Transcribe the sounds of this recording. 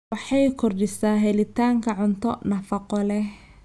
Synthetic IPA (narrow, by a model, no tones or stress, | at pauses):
wɑħɑjkʰʊrɖɪsaːɦɛlɪt̪ʰaːŋkʰɐʕʊnt̪ʰɔnɐfɐqɔlɛh